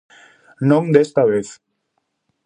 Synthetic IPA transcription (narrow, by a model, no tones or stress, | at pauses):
noŋd̪est̪aʋeθ